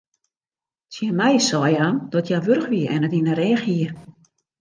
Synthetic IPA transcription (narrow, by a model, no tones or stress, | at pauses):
t͡sjɛmɛjsɔjand̥ɔtʰjaʋørxʋiəʔɛnətinəɾɛːxiər